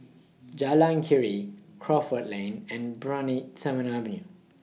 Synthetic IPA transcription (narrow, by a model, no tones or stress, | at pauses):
d͡ʒalãnkʰiɹikʰɹɔfətlẽnɛ̃nbɹãnitsɛmə̃navɛ̃nju